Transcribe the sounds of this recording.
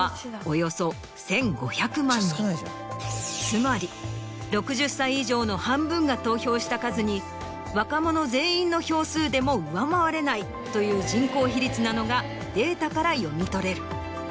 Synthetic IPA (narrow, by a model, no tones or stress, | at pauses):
ojo̞so̞ | sẽ̞ŋɡo̞̰çakɯ̟mãnː | t͡sɨmaɾʲi | ɾo̞kɯ̟ʑɨsːaiːʑo̞ːno̞hãmbɯ̟̃ŋɡat̪o̞ːço̞ːɕi̥t̪akazɨɲ̟i | βakamo̞no̞ze̞ːĩnːo̞ço̞ːsɨːd̪e̞mo̞ɯ̟βamaβaɾe̞nai | t̪o̞jɯ̟ːʑĩŋko̞ːçiɾʲit͡sɨnano̞ɡa | d̪̥e̞ːt̪akaɾajo̞mʲit̪o̞ɾe̞ɾɯ̟